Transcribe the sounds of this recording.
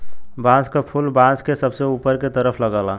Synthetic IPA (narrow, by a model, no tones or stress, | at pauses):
bãːskapʰʊlbãːskesɐbseuːpəɾket̪əɾəpʰlɐɡaːlaː